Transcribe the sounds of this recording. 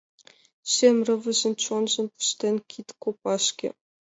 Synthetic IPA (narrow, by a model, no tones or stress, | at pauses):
ɕemʲrɤ̆vɘ̆ʑɘ̆nt͡ɕonʒɘ̆npu̥ʃt̪ʲenʲkʲʰit̪ʲkopɑʃkʲḛ